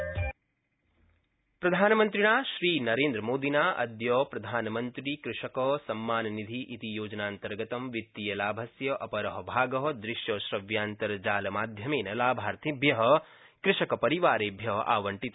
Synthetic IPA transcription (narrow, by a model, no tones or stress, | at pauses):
pɾɐd̪ʱaːnɐmɐnt̪ɾiɳaːʃɾiːnɐɾeːnd̪ɾɐmoːd̪inaːʔɐ̰d̪jɔːpɾɐd̪ʱaːnɐmɐnt̪ɾikɾɪʂɐkɐsɐmːaːnɐnid̪ʱiʔit̪ijoːd͡ʒɐnaːnt̪ɐɾɡɐt̪ɐmʋit̪ːijɐlaːbʱɐsjɐʔɐpɐɾɐɦɐbʱaːɡɐɦɐd̪ɾɪʃjɐːʃɾɐʋjaːnt̪ɐɾɐd͡ʒaːlɐmaːd̪ʱjɐmeːnɐlaːbʱaːɾt̪ʰibʱjɐɦɐ̆ | kɾɪʃɐkɐpɐɾiʋaːɾeːbʱjɐɦɐ̰ʔa̰ːʋɐɳʈit̪